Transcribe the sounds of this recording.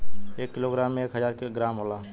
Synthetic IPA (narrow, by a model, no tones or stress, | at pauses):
eːkːɪloːɡɾaːmːẽeːkɦəzaːɾkeɡɾaːmɦoːlaː